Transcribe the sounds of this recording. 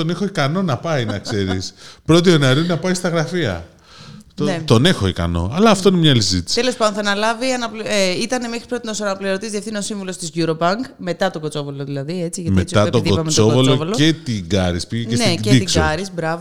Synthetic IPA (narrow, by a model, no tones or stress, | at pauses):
t̪o̞nexoikɐno̞nɐpɐjnɐkse̞ɾispɾo̞t̪̬io̞nɐɾinɐpɐjst̪ɐɣɾɐfiɐ̰ | t̪onet̪o̞nexo̞ikɐ̰no̞̰ɐlɐːft̪o̞inemɲɐlisizit̪i̥sit̪elo̞spɐd̪onθɐnɐlɐviɐnɐpeit̪ɐne̞mexɾi̥spɾo̞t̪inosɐnɐplioɾot̪izðiefθinosiɱvulo̞st̪izʝuɾopɐŋkme̞t̪ɐt̪oɡot͡so̞voloðilɐðie̞t͡siʝɐmeitsiɐt̪oiovɐmesovolovoloe̞t̪iɡɐɾispiʝecesnecedit̪iksɡoɐɾizbɾɐvo